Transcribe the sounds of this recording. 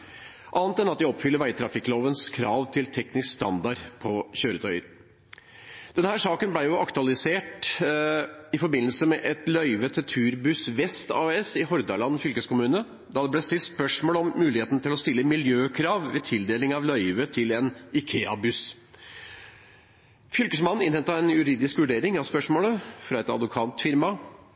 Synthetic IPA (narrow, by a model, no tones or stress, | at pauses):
ʔɑːnt̪ɛnɑt̪̚d̪ɪɔpːfʏlːəɾʋæɪt̪ʰɾɑfɪkloːʋənskʰɾɑːʋt̪ʰɪlt̪ʰɛknɪskst̪ɑ̰nd̪ɑɾpʰɔçøːɾət̪ʰœʏəɾ | d̪̥ɛnhæːʂɑːkənblæɪjʊʔɑkt̪ʉɑlɪseːʈ | ɪfɔɾbɪnəl̩səmɛʔɛt̪lœʏʋət̪ʰɛt̪ʰʉːɾbʉsʋɛst̪ɑ̰ːɛsɪɦɔɾd̪ɑɭɑnfʏlkəskʰʊmʉːnə | d̪ɑd̪ɛblɛst̪ɪlt̪spœʂmoːləɔmːʉːlɪheːt̪nt̪ɪlɔst̪ɪlːəmɪljøːkʰɾɑːʋʋet̪ʰɪld̪eːlɪŋɑʋlœʏʋət̪ʰɪlɛnɪkʰeːɑ̰bʉs | fʏlkəsmɑnn̩ɪnhɛnt̪ɑɛnjʉɾiːd̪ɪskʋʉɖeːɾɪŋɑʋspœʂmoːləfɾɑɛt̪ɑ̰d̪ʋʊkʰɑnt̪fɪɾmɑ